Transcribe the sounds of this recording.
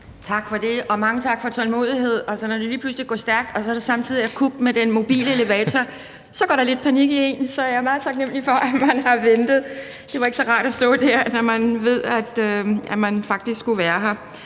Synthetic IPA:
t͡sʰɑ̈ɡ̥fɒ̽d̥e̝ɒ̽mɑ̈ŋət͡sʰɑ̈ɡ̥fɒ̽t͡sʰɒ̽lmo̝̰ːð̞ˠiɦe̝ð̞̰ˠɒ̽sɒ̽nɒd̥uliːpʰlusliɡɔ̰ːsd̥æɐɡ̥d̥ɒ̽sɒɾ̥esɑ̈mt͡sʰiðˠiækʰuɡ̥med̥enmo̝b̥ḭːləele̝ʋɛːt͡sʰɒ | sɒ̽ɡ̥ɒ̰ːɾ̥ɑle̝d̥̚pʰæniɡ̥ie̝nsɒ̽æɐjɑɐmɑ̈ːð̞̩ˠt͡sʰɑ̈ɡ̥nem̰lifɒ̽ʔæmænhɑ̈ʋend̥ð̩ˠd̥e̝ʋɑ̈eɡ̥əsɒ̽ʁɑ̰̈ːɾ̥æsd̥ɔ̰̽ːd̥æɐ̰nɒmænʋe̝ð̞̰ˠæd̥øæmænfɑ̈ɡ̥̚d̥isɡ̥sɡ̥uʋæːɐɦɑ

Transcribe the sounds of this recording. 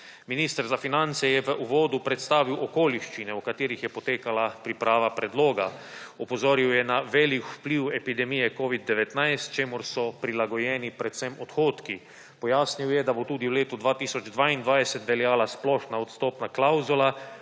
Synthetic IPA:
minist̪əɾzafinant̪sɛjɛʋəʔuʋoːd̪upɾɛt̪st̪aːʋiwʔɔkoːliʃt͡ʃinɛukat̪iːɾixjɛpɔt̪eːkalapɾipɾaːʋapɾɛd̪loːɡaɔpɔzoːɾiwjɛnaʋɛlikwpliwɛpid̪ɛmijɛkoːʋid̪̚ːɛʋɛt̪najst̪t͡ʃeːmʊɾsɔpɾilaɡɔjɛːnipɾɛt̪sɛmɔt̪xoːt̪ki | pɔjaːsniwjɛd̪abot̪uːd̪iwleːt̪ud̪ʋaːt̪iːsɔd͡ʒd̪ʋaːind̪ʋaːjsɛt̪ʋɛljaːlasplɔʃnaɔt̪st̪ɔːpnaklawzula

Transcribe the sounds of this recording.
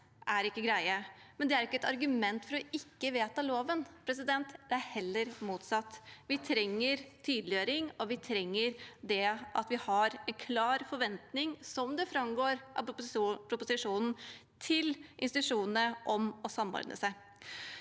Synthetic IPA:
ʔæɾɪkːəɡɾæɪəmɛnd̪ɛæɾɪkːəɛt̪ɑɾɡʉmɛnt̪fɔɾɔɪkːəʋeːt̪ɑloːʋənpʰɾɛsɪd̪ɛnt̪d̪ɛæɾhɛlːəɾmuːt̪sɑt̪ːʋɪt̪ʰɾɛŋːəɾt̪ʰyːd̪lɪøːɾɪŋɔʋɪt̪ʰɾɛŋːəɾd̪ɛʔɑt̪ʋɪhɑɾɛnkʰlɑːɾfɔɾʋɛnt̪nɪŋsɔmd̪ɛfɾɑmɡoːɾʔɑ̰pʰɾʊpʊsɪʂuːnn̩ | t̪ʰɪlʔɪ̰nst̪ɪt̪ʉʂuːnn̩əʔɔmɔsɑmːɔ̰ɾd̪ə̰sæɪ

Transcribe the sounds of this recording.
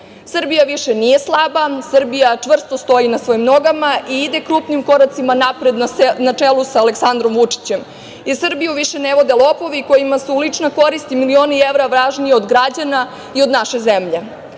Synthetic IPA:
sr̩bijaʋiʃenije̞slˠabasr̩bijat͡ʂʋr̩st̪ost̪o̞inasʋo̞imno̞ɡamaʔiid̪e̞kɾuːpnimko̞ɾat̪simanapɾe̞d̪nnat͡ʂelusaːleksand̪ɾo̞mʋut͡ʂi̥t͡ɕem | jeɾsrbijuʋiʃeneʋo̞d̪e̞lˠopo̞ʋiko̞jimasulit͡ʂnako̞ɾist̪imilio̞nieʋɾaʋɾaʒnieod̪ɡɾad͡ʑana | io̞d̪naʃe̞zemʎe̞

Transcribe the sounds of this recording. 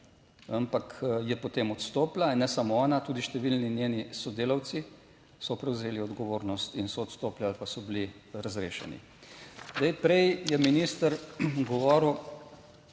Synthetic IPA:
ampakjɛpɔt̪eːmɔt̪st̪oːplanɛsamɔɔːnat̪uːd̪iʃt̪ɛʋilninjeːnisɔd̪eːlawt̪si | sɔpɾɛwzeːliɔd̪ɡɔʋoːɾnɔst̪insɔːt̪st̪oːplialpasɔbiliɾazɾeːʃɛ̰nḭ | d̪ɛjpɾɛjjɛminist̪əɾɡɔʋɔːɾw

